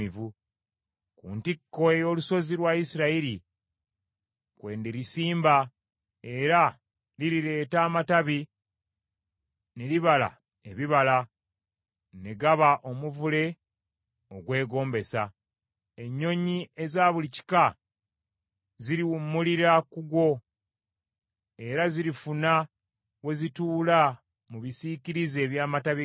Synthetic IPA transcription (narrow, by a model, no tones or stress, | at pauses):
ivu | kṵːntikːo̞ejo̞ːluso̞zilwaisiɾaiɾi | kwe̞ːndeɾisiːmba | e̞ɾa | liɾiɾe̞ːtaːmataβi | neliβala̰ | eβiβala | ne̞ɡaβaʔo̞muvule̞ | o̞ɡwe̞ːɡo̞ːmbe̞sa | e̞ɲːo̞ɲie̞zaːβulici̥ka | ziɾiwumːuliɾakuɡwo̞ | e̞ɾaziɾifuna | we̞zituːla | muβisiciɾize̞ːβjaːmataβi